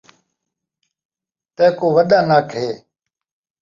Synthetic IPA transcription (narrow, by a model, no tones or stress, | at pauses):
t̪eːkoːʋəɗ̪aːnaːkʰɦeː